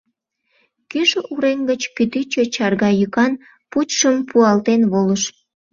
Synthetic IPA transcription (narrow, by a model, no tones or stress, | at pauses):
kyʃuɾeŋɡət͡ɕkyt̪yt͡ɕət͡ɕɑrɣɑjykɑn | putʃəmpʰuɑlt̪enβoləʃ